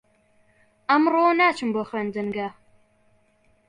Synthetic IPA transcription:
ɐmroːnaːt͡ʃʰɨmboxeːnd̪ɨnɡɐ

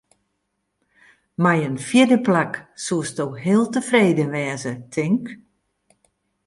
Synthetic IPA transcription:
majənfjɪdəplaksuəstowɦɪəlˠtəfreːdəʋɛːzətʰɪŋk

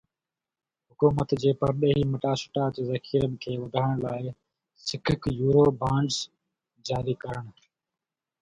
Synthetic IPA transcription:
ɦʊkuːmət̪d͡ʑeːpɐɾɗɐɦiːmɐʈaːsʊ̥ʈaːt͡ɕzɐkʰiːɾən̆kʰeːʋɐd̪ʱaːɽ̃laːɪ | sɪkʰɪkjuːɾoːbãːɳɖs | d͡ʑaːɾiːkɐɾəɽ̃

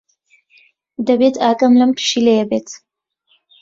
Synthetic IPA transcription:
d̪ɐbet̪ʰaːkʼɐmlɐmpʰʃilejɛbeːt̪ʰ

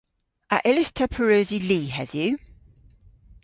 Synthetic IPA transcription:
əʔɪlɪθtʰəpʰəɹəːziliːɦɛðjʉ

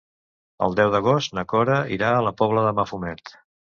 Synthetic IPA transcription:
ə̰lˠd̪ɛwðəɣ̞ɔst̪nəkɔɾəiɾaələpɔβləðəməfumɛt̪

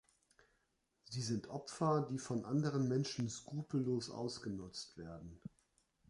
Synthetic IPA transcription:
ziːzɪntʔɔpfɐdiːfɔnʔandəʁ̞ənmɛnʃn̩skʁ̥uːpl̩ːoːsʔa̰ʊsɡ̥ənʊt͡stv̥eːɐdn̩

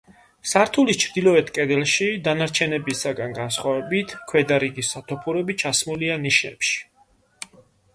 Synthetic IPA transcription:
saɾt̪ʰulit͡ʃʰɾd̪ilˠɔɛt̪ʰkʼɛd̪ɛlˠʃid̪anaɾt͡ʃʰɛnɛbisaɡanɡansχwavɛbit̪ʰkʰwɛd̪aɾiɡisːat̪ʰɔpʰuɾɛbit͡ʃʰasmulianiʃnɛ̰pʃi̥

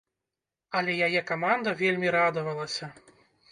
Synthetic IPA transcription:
ɐlʲɛjajɛkamand̪ɐvʲelʲmʲiɾad̪ɐvɐlˠɐsʲɐ

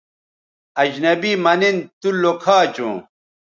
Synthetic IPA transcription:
ɐd͡ʑnɐbimɐnint̪ulokʰaːt͡ɕũː

